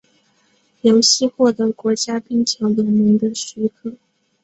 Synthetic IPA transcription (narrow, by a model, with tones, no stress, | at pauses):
ljo˧˥ʊɕi˥˧xwɔ˥˩t̪ɤ˧˥kwɔ˧˥t͡ɕja˥pi˥˩ŋt͡ɕʰjɑ˧˥ŋwə˧˥nmi˧˥ŋd̪ə˧ɕy˧˥kʰɤ˥˩